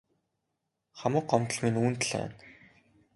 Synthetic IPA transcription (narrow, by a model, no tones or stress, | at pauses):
χamə̆k̚ɢɔmt̪ə̆ɮminuːnt̪ɮæ̰ːn